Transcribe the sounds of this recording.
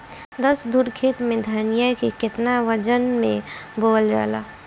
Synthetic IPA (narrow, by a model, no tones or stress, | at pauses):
d̪əsd̪uɾkʰeːt̪mẽd̪ʱəɾnijəkikɪt̪naʋəd͡ʒənmẽboːld͡ʒa̰ːla̰ː